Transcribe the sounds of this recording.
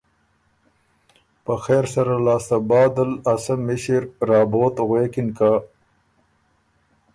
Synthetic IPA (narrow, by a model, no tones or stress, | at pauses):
pəxeːɾsɐɾalaːst̪ɐbɑːd̪alɐsamiɕiɾɾɑːboːt̪ɣweːkinka